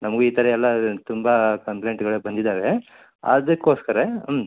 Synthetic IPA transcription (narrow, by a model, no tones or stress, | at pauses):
nɐmɐɡuiːt̪ʰɐɾeɛlːɐt̪umbɐkɐmpleɳʈɡɐɭebɐnd̪id̪aːʋe | ɐ̰d̪ɐkːo̞ːskɐɾem